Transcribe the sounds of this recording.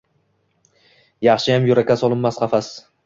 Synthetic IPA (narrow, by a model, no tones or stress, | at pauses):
jɑχʃɪjamjʊɾakʲasɒlˠɪmːasqʰɑfas